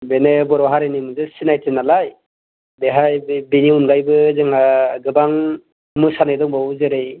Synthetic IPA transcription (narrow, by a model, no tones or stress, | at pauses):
benebɔɾɔɦaɾenimɯzɯsinajtʰenalaj | beɦajbiniunɡajbɯzɯŋaɡɯbaŋ | mɯsanajdɔŋbawzɯɾej